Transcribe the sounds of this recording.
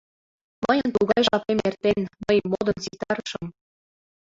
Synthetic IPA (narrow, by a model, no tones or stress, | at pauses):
mɤəjə̆nt̪uɣɑjʒɑpemert̪enməjmːod̪ɤ̆nzit̪ɑɾəʃɤm